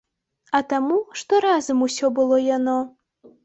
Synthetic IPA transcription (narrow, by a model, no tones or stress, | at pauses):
ɐt̪amuʂt̪ɔɾazɐmusʲɔbɨlˠɔjanɔ